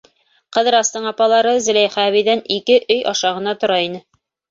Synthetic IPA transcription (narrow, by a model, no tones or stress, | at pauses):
qɤ̆ðɾɑst̪ɤɴɑpɑlˠɑɾɤzɘ̆læjχæβĭjðænikɘʔɵjɑʃɑʁɤ̆nɑt̪ŏɾɑinɘ